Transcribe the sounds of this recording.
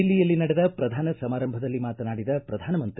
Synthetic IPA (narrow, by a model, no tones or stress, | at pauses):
ilːijɐlːinɐɽɛd̪ɐpɾɐd̪ʱaːnɐsɐmaːɾɐmbʱɐd̪ɐlːimaːt̪ɐnaːɽid̪ɐpɾɐd̪ʱaːnɐmɐnt̪